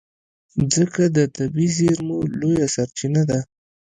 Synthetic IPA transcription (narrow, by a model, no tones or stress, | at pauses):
zəkad̪ət̪abizeɾmolojasaɾt͡ʃinad̪a